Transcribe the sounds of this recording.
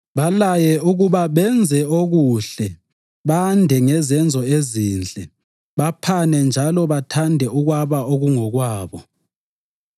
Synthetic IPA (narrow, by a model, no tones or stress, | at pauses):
βalajɛuɣuβaβɛnd͡zʱɛoɣuɬɛ | βandʱɛŋɛzɛnd͡zʱɔeziːnd͡ɮʱɛ | βapʰanɛnd͡ʒʱalɔβatʰandʱɛuɣwaβaoɣuŋɔɣwaːβɔ